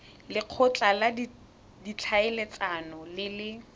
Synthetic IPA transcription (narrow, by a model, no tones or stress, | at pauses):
lɪq͡χʰʊt͡ɬʼaladi | dit͡ɬʰaɪlet͡sanɔlɪlɪ